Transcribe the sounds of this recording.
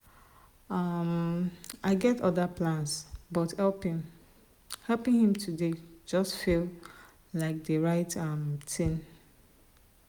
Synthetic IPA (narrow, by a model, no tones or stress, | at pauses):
amʔaɪɡɛtɔðapʰlãnsbɔthɛlˠpɪ̃ŋ | hɛlpɪ̃ŋhĩmtʰuded͡ʒʌstfilˠ | laɪk̚dəɹaɪtʌmtʰɪ̃n